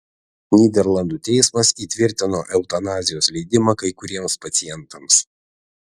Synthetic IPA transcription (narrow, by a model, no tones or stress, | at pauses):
nʲiːd̪ʲɛɾlˠɐnd̪uːt̪ʲɛɪsmɐsiːt̪ʲʋʲɪɾʲt̪ʲɪnoːʔɛʊt̪ɐnɑːzʲɪjoːslʲɛɪd̪ʲɪmɑkɐɪkʊɾʲiɛmspɐt̪sʲɪjɛnˑt̪ɐms